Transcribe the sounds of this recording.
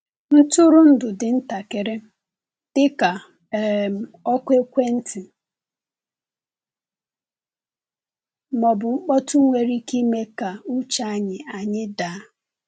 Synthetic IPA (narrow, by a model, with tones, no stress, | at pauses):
n̩˦tu˦ɾʊ˦n̩˦dʊ˨dɪ˨n̩˦ta˨ke˨ɾe˦ | tɪ˦ka˨ | m˨ɔ˦kʷe˦kʷe˦n̩˦tʰɪ˨ | mɔ˨bʊ˨ŋ͡m̩˦k͡pɔ˦tu˦ŋʷe˨ɾi˦ki˦me˦ka˨u˦t͡ʃa˦a˦ɲɪ˨a˨ɲɪ˦da˨˦